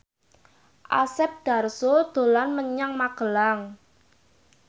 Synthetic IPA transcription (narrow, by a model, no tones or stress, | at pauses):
ʔa̰sɛp̚d̪̥a̤rsod̪̥o̤lanməɲaŋmaɡ̥ə̤laŋ